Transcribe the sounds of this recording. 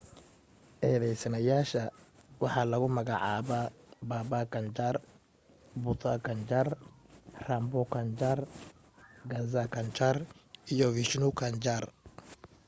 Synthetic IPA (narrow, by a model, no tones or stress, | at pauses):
ʔɛːðɛjsɐnɐjaːʃɐwɑħɑːlɐɣʊmɐɣɑʕɑ̰ːβa | baːbakʰɐnt͡ʃaːr | bʊt̪ʰakʰɐnt͡ʃaːr | rambɔkʰɐnt͡ʃaːr | ɡɐzakʰɐnt͡ʃarijɔviʃnukʰɐnt͡ʃar